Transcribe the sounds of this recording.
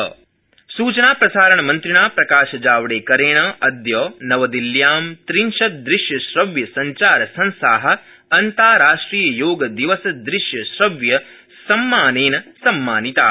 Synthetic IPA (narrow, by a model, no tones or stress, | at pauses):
suːt͡ʃɐnaːpɾɐsaːɾɐɳɐmɐnt̪ɾiɳaːpɾɐkaːʃɐd͡ʒaːʋɐɽeːkɐɾeːɳɐʔɐd̪jɔːnɐʋɐd̪iljaːmt̪ɾinʃɐt̪̚d̪ɾiʃjɐʃɾɐʋjɐsɐɲt͡ʃaːɾɐsɐnsaːɦɐ̆ | ɐnt̪aːɾaːʂʈɾiːjɐjoːɡɐd̪iʋɐsɐd̪ɾiʃjɐʃɾɐʋjɐ | sɐmːaːneːnɐsɐmːaːnit̪a̰ː